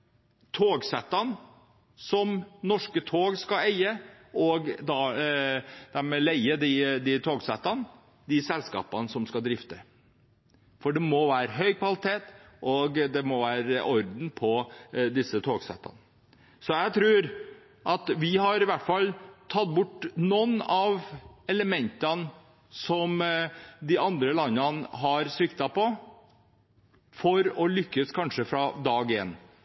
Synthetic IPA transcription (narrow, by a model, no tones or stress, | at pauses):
t̪ʰoːɡsɛt̪ːɑn | sɔmnɔʂkət̪ʰoːɡskɑæɪə | ɔɡd̪ɑ | d̪̥ɛmɛlæɪəd̪ɪd̪ɪt̪ʰoːɡsɛt̪ːɑn | d̪ɪsɛlskɑ̰ːpɑnsɔmskɑd̪ɾɪft̪ə | fɔɖɛmɔʋæːɾəɦœʏkʰʋɑlɪt̪ʰeːt̪ | ʔɔɡd̪ɛmɔʋæːɾəʔɔɾd̪n̩pʰɔd̪ɪsːət̪ʰoːɡsɛ̰t̪ʰːɑ̰n | sɔjæt̪ʰɾʉːɾ | ʔɑt̪ʋɪhɑɾɪʋæʈːfɑlːt̪ʰɑt̪ːbʊʈːnɔnːɑʋɛləmɛnt̪ɑn | sɔmd̪ɪɑnd̪ɾəlɑnːɑnɦɑɾsɪkt̪ɑpɔ | fɔɾɔlʏkːəskʰɑnʂəfɾɑd̪ɑːɡɪḛːn